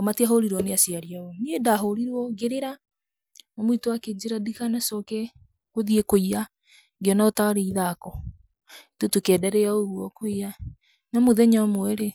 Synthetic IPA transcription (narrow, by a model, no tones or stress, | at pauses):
ɔmatiaɦoɾiɾwɔneasiaɾiaɔmiedaɦoɾiɾwɔɡeɾeɾa | namoitowaked͡ʑeɾadikanasɔkɛ | koðiekoia | ɡeɔnaotaɾeiðakɔ | totokɛːdɛɾɛaoɣuɔkoia | namoðɛɲamoɛɾe